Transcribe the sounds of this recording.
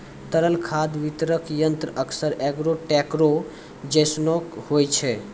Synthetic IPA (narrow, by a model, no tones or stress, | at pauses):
t̪əɾəlkʰad̪ʋit̪ɾəkjənt̪ɾəəkʰsəɾɛɡɾoʈɛkɾo | d͡ʒəsnokhojt͡ʃʰɛ